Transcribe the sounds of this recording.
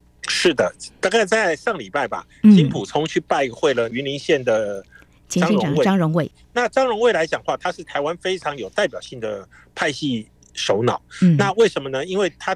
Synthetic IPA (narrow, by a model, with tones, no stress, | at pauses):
ʂɻ̩˥˩d̪ə˩t̪a˥˧ka˥˧ɪt͡sa˥˧ɪʂɑ˥˩ŋli˨˩pa˥˩ɪbɐ̰˩ | t͡ɕʰi˧˥npʰu˨˩t͡sʰʊ˧˥ŋt͡ɕʰy˥˧pa˥˧ɪ˧xwe˥˩ɪlə˩y˧˥nli˧˥nɕjɛ˥˩nd̪ə˩˧ | ɑ˥ɻŋwe˥˩˥ŋɻʊ˧˥ŋwe˥˩ɪ | na˥˩ʈ͡ʂɑ˥ŋɻʊ˧˥ŋwe˥˩ɪla˧˥ɪt͡ɕjɑ˨˩ŋxwa˥˩t̪ʰa˥ʂɻ̩˥˩t̪ʰa˧˥ɪwa˥nfe˥ɪʈ͡ʂʰɑ˧˥ŋjo˨˩ʊt̪a˥˩ɪpjɑ˨˩ʊɕi˥˩ŋd̪ə̰˩ | pʰa˥˧ɪɕi˥˧ | ʂo˧˥ʊnɑ˨˩˦ʊna˥˧we˥˩ɪʂə˧˥nmə˧nə˧i˥nwe˥˩ɪt̪ʰa˥